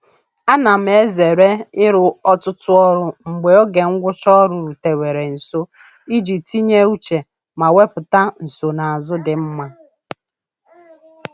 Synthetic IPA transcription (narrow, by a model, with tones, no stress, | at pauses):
a˦na˨m̩˨e˦ze˨ɾe˦ɪ˦ɾʊ˨ɔ˦tʊ˦tʊ˦ɔ˦ɾʊ˨ŋ͡m̩˨ɡ͡be˨o˦ɡe˨ŋ̩˦ɡʷʊ˦t͡ʃɔ˦ɾʊ˨ɾu˨te˨we˨ɾe˨n̩˨so˦ | i˦d͡ʒi˨ti˦ɲe˦u˦t͡ʃe˨ | ma˨we˦pʊ˨ta˦n̩˨so˨na˨a˨zʊ˦dɪ˨m̩˦ma˦